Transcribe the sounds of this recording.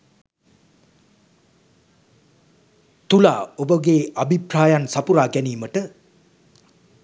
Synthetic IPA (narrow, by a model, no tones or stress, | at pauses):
t̪ula̰obəɡeːʔabʱipɾaːjansapuɾaːɡɛniːməʈə